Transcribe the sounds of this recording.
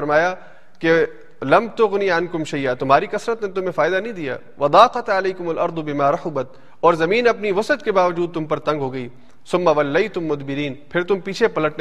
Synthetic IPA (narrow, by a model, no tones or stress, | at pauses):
ɐɾmaːja | ke | lɐmt̪ʊɣniɐnkʊmʃɐjaːt̪ʊmɦaːɾikɐsɾət̪net̪ʊmẽfaːɪd̪anɐɦĩd̪ija̰ː | ʋɐd̪ɑːqɐt̪ɐlɐjkʊmɐlʔɐɾd̪bɪmaːɾɐħʊbɐt̪ | ɔːɾzɐmiːnɐpniʋɐsət̪kebaːʋɐd͡ʒuːd̪̚t̪ʊmpɐɾt̪ɐ̃ŋɡɦoːɡɐiː | sʊmːɐʋɐlːɐjt̪ʊmːʊd̪bɪɾiːnpʰɪɾt̪ʊmpiːt͡ʃʰepɐləʈn